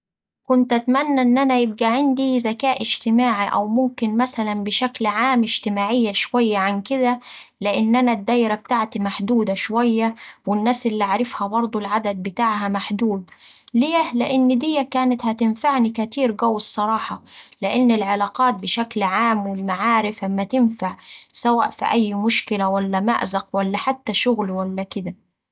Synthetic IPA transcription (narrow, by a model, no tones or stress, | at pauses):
kʊnt̪ʔæt̪mænːæʔɪnːʔænæjɪb̚ɡæʕɪnd̪izækaːʔɪʒt̪ɪmaːʕiʔæ̰wmʊmkɪnmæsælænbɪʃæklʕaːmɪʒ̥t̪ɪmaːʕɪjːaʃwæjːaʕankɪd̪ælɪʔɪnːʔænæd̪ːæːjɾab̚t̪aʕt̪imaħd̪uːd̪aʃwæjːawɪnːæːsʔɪlːiʕaɾɪfhæbɑɾˤd̪ˤulʕad̪ad̪̚bɪt̪aːʕɦæmaħd̪uːd̪̚ | leːlɪʔɪnːd̪ɪjːækaːnɪt̪hæt̪ɪnfaʕnikat̪iːɾɡawːsˤːɑɾˤɑːħɑlɪʔɪnːɪlʕalɑːqɑːt̪̚bɪʃaklʕaːmːwɪlmaʕaːɾɪfʔamːat̪ɪnfaʕsawa̰ːʔfḭʔæjːmʊʃkɪlawalːæma̰ʔzɑqwalːaħat̪ːaʃʊɣlwalːækɪd̪a